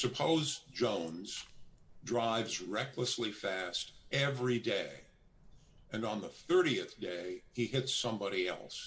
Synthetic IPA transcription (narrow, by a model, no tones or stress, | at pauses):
sɨpʰoʊzd͡ʒõʊ̃nz̥dɹaɪvzɹɛkləslifæstɛvɹideɪ | ɨ̃nə̃nðəθɜ˞ɾiɨθd̥eɪiɦɪtsʌ̃mbɑɾiɛ̰lˠs